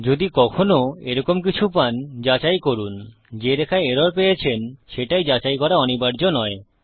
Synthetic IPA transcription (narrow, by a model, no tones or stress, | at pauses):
d͡ʑod̪ikɔkʰonoeɾɔkomk̬it͡ɕʰupand͡ʑat͡ɕajkoɾun | d͡ʑeɾekʰaeeɾoɾpejet͡ɕʰenʃeʈajd͡ʑat͡ɕajkɔɾaɔnibaɾd͡ʑonɔe